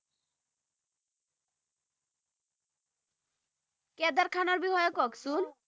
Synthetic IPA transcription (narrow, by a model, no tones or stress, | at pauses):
kɛd̪aɾkʰanɔɾbihɔjɔkɔksun